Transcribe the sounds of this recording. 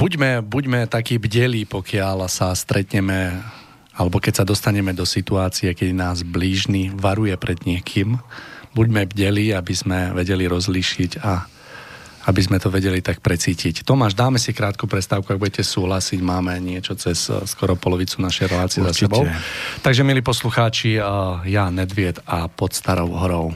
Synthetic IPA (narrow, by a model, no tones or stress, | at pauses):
b̥uɟmɛbuɟmɛt̪akiːbɟɛliːpɔkɪalsast̪ɾɛt̪ɲɛmɛ | alɛbɔkɛcsad̪ɔst̪aɲɛmɛd̪ɔsit̪uaːt͡siɛkɛd̪inaːzbliːʒniːʋaɾujɛpɾɛd̪ɲɪɛkʰimbuɟmɛbɟɛliːabizmɛʋɛɟɛliɾɔzliʃiɟa | abizmɛt̪ɔʋɛɟɛlit̪ak̚pɾɛt͡siːcict̪ɔmaːʒd̪aːmɛsikɾaːt̪kupɾɛt̪st̪aːʊkuaɡ̚buɟɛcɛsuːɦlasiɟmaːmɛɲɪɛt͡ʃɔt͡sɛsskɔɾɔpɔlɔʋit͡sunaʃɛjɾɛlaːt͡siɪɛzasɛbɔʊt̪aɡʒɛmiliːpɔsluxaːt͡ʃijanɛd̪ʋɪɛd̪apɔt̪st̪aɾɔʊɦɔɾɔʊ